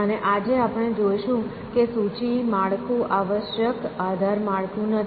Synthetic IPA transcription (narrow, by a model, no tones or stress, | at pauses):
əneʔad͡ʒeapɽ̃ed͡ʒojʃũ | kesut͡ʃimaɭkũʔaʋəʃjəkad̪ʱaɾmaɭkũnət̪